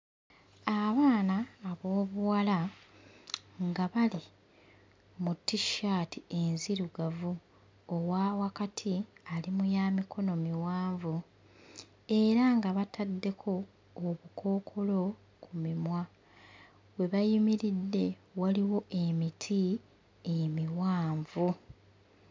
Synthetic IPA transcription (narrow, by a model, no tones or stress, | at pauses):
aβaːnaːβo̞ːβuwala | ŋɡaβali | mutːiʃaːtie̞nziɾuɡavu | owawakatʰialimujaːmikʰo̞no̞miwaːɱvu | e̞ɾaŋɡaβatʰadːe̞kʰo̞ː | βukʰo̞ːkʰo̞lo̞ | kumimwa | we̞βajimiɾidːe̞waliwo̞ʔemitʰi | emiwaːɱvu